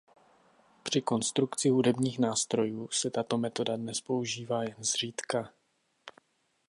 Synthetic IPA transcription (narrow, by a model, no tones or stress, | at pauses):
pr̝̥ɪko̞nst̪ɾukt͡sɪɦudɛbɲiːxnaːst̪ɾo̞juːsɛt̪at̪o̞mɛt̪o̞dadnɛspo̞uʒiːvaːjɛnzr̝iːt̪ka